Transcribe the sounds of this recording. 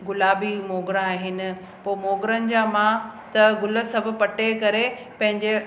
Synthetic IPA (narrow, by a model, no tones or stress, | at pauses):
ɡʊlaːbimoːɡɾãaːɦɪnɪ̆ | poːmoːɡɾənɪ̆d͡ʑaːmãt̪ɐɡʊlə̆sɐbʱʊ̆pɐʈekɐɾe | pɐ̃ɦɪ̃ɲd͡ʑe